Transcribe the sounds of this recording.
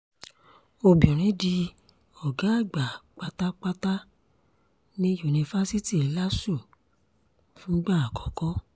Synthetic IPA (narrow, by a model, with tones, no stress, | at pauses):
o˧bi˨ɔ˨ɾ̃ĩ˨˦di˧ | ɔ˨ɡa˨˦a˦˨ɡ͡ba˨k͡pa˧ta˦k͡pa˧ta˦ | nĩ˦ju˨nĩ˧fa˦si˦ti˦˨i˨˦la˦sũ˦˨ | fũ˦ɡ͡ba˦˨a˨kɔ̥˨˦kɔ˦